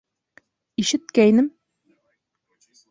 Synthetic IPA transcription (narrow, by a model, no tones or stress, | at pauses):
iʃɘt̪̚kæjnɘm